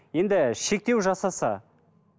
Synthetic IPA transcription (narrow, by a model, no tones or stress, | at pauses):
je̞nd̪ɪʃe̞k̚t̪e̞wʒɑsɑsɑ̰